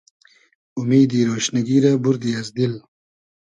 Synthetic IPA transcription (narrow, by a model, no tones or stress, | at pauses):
ʊmiːd̪iɾoːʃnaɡiɾabuɾd̪iazd̪il